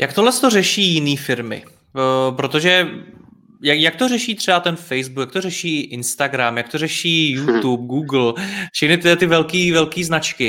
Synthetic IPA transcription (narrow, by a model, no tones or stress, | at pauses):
jak̚t̪oɦlɛst̪o̞rɛʃiːjɪniːfɪɾmɪ̰ | pɾot̪o̞ʒɛ | jajak̚t̪orɛʃiːt̪r̥ɛbat̪ɛnfɛjzbukjak̚t̪o̞rɛʃiːʔɪnst̪aɡɾamjak̚t̪orɛʃiːjut̪up̚ɡuːɡl̩fʃɛxnɪt̪ɪɛt̪ɪvɛlkiːvɛlkiːznat͡ʃkɪ